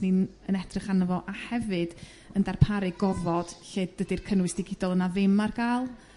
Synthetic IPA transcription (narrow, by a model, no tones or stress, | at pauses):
ninənɛdrɨχanəvɔʔahɛvɨd̥ | əndarpʰaɾɨɡɔvɔd̥ɬeːd̚dədirkʰənwɨsd̥ɪɡɪdɔlˠənavɪmarɡ̥alˠ